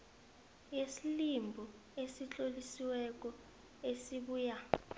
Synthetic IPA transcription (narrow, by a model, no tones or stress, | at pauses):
jesilimbʱɔ | esit͡ɬʼolisiwɛk̬ʼɔ | esiɓuːja